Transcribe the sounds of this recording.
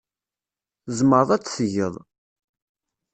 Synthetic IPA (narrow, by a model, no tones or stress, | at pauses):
zməɾðˤæt͡sːsəʝəðˤ